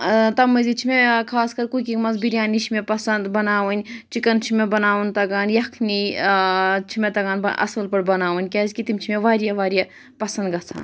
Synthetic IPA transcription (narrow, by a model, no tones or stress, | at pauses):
t̪ɐmɐzit͡ʃʰimekʰaːskɐɾkukimɐnzbiɾjaːnit͡ʃʰimepɐsɐnd̪bɐnaːʋɐnʲt͡ʃikɐnt͡ʃʰimebɐnaːʋɐnt̪ɐɡaːnjɐkʰni | t͡ʃʰimet̪ɐɡaːnɐɐ̰sɐlpɐɽbɐnaːʋɐnʲkʲeːzʲkit̪imt͡ʃʰimeʋaːɾijaʋaːɾija | pɐsɐnd̪ɡɐt͡sʰa̰ːn